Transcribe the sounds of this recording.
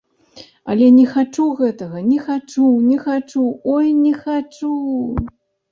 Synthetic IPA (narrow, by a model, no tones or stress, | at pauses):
ɐ̰lʲɛnʲɛxat͡ʂuɣɛt̪ɐɣɐnʲɛxat͡ʂunʲɛxat͡ʂuɔjnʲɛxat͡ʂu